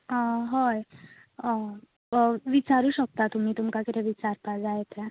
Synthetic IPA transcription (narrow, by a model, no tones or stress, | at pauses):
ɦoj | ʋit͡saɾuːɕək̚t̪at̪um̤iːt̪umkakit̪ɛʋit͡saɾpad͡zajet̪ɾa